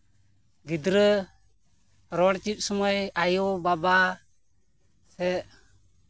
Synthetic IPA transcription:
ɡid̪ɾə | ɾɔɽt͡ʃit̪̚ˀsɔmɔjajɔbaba | sɛʔ

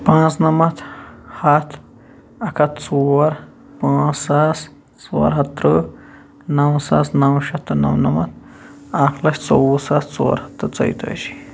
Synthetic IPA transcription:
pãːt͡snɐmɐt̪hɐt̪ʰ | ɐkʰɐt̪t͡suɾ | pãːt͡sːas | t͡sṵːɾɦɐt̪ːɾɨ | nɐwsasnɐwʃɐt̪ːɨnɐ̰wnɐmɐt̪̚ | aːklɐʃʲt͡sowsast͡sṵːɾhɐ̥t̪ːɨt͡sɐ̰jt̪o̰ʃi̥

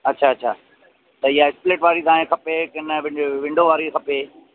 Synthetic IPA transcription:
ɐtːʃʰaɐtːɕʰa̰ː | t̪ɐɪɦaɪspleːʈʋaːɾit̪aːɦẽkʰɐpekɐnəʋɪʋɪ̃ɳɖoʋaːɾikʰɐpeː

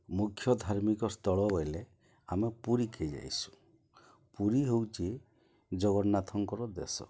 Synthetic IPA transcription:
mukʰːjɔd̪ʱaɾmikɔst̪ɔɭɔbɔjle | amepuɾikʰejd͡ʒa̰jsu̥ | puɾiɦewt͡ʃʰi | d͡ʒɔɡɔnat̪ʰɔŋkɔɾɔd̪ḛsɔ̰

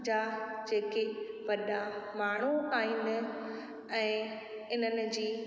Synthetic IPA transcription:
d͡ʑad͡ʑeːkeʋɐɗamaːɳ̤uaːĩːnd̪ɪ | ɛ̃ː | ɪn̤ənɪ̆d͡ʑiː

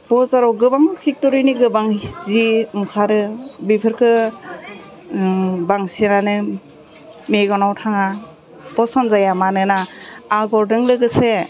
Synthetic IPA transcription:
b̥ɔzaɾɔɡɯbaŋkʰik̚tɔɾiniɡɯbaŋziɯŋkʰaɾɯbipʰɯɾkʰɯ | baŋsenanɯ | meɡɔnawtʰaŋa | b̥ɔsɔmzajamanɯnaːɡɔɾdɯŋlɯɡɯse

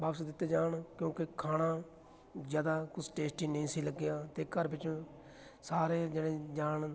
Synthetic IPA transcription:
baːpsd̪ɪt̪ːeːd͡ʒaːɳkjõːkɪkʰaːɽãː | zjaːd̪aːkʊsʰʈeːsʈiːnəĩːsiːləɡɪjãːt̪eːkəɾbɪt͡ʃõː | saːɾeːd͡ʒeɽẽːd͡ʒaːɳ

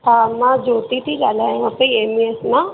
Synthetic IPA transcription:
aːmãd͡ʒoːt̪it̪ʰid͡ʒalãːapəieːmiesnã

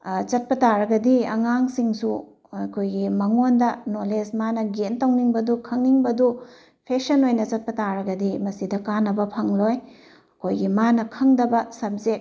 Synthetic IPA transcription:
t͡ʃɐt̚pɐtaɾɐɡɐdiɐ̰ŋaŋsiŋsu | ɐkʰojɡimɐŋondɐnolesmanɐɡentɐwniŋbɐdukʰɐŋniŋbɐdu | pʰeksɐnojnɐt͡ʃɐt̚pɐtaɾɐɡɐdimɐsidɐkanːɐbɐpʰɐŋloj | ɐkʰojɡimanɐkʰɐŋdɐbɐsɐp̚ze

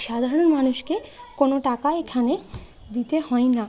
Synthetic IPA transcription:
ʃad̪ʱaɾoɽonmanuʃkekonoʈakaekʰane | d̪it̪ehɔena

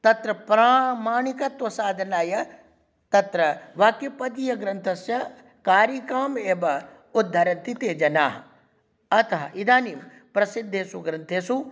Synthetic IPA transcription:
t̪ɐt̪ɾɐpɾaːmaːɳikɐt̪ʋɐsaːd̪ʱɐnaːjɐ | t̪ɐt̪ɾɐʋɐkipɐd̪ijɐɡɾɐnt̪ʰɐsjɐ | kaːɾjɐkaːmeːbɐ | ud̪ʱːɐɾɐnt̪it̪eːd͡ʒɐnaːɦɐ | ɐt̪ɐɦɐʔid̪aːniːm | pɾɐsid̪ʱːeːsuɡɾɐnt̪ʰeːsu

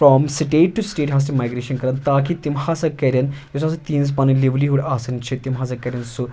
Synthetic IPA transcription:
fɾɔmsʈeːʈːusʈeːʈɦaːs̬timaːjɡɾeːʃɐnkɐɾɐnt̪aːkit̪imhaːsɐkːɛːɾʲɐnjɐsɐːsɐt̪iːns̬pɐːnɨliʋliɦuɽaːsɐnt͡ʃʰit̪imɦaːs̬ɐkːɐːɾʲɐnsu

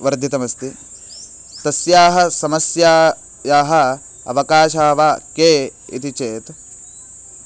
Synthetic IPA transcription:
ʋɐɾd̪ʱjit̪ɐmɐst̪i | t̪ɐsjaːɦɐsɐmɐsjaː | jaːɦɐ | ɐ̰ʋɐkaːʃaːʋaːkeː | ḭt̪it͡ʃeːt̪

